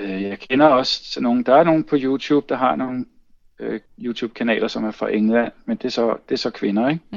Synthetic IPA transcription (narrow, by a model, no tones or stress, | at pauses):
øjɑ̈ɪkʰenɐɒ̽st͡sʰeno̝ːn̩d̥ɑ̈æɐno̝ːn̩pʰɒ̽juːt͡sʰṵːb̥̚d̥ɑ̈ɦɑ̈no̝ːn̩ | øjuːt͡sʰṵːb̥̚kʰænɛ̰ːlɐsɒ̽mæɐfʁɑ̈ʔeŋlæn̰mend̥e̝sɒ̽d̥e̝æɐsɒ̽kʰʋe̝nɐeɡ̥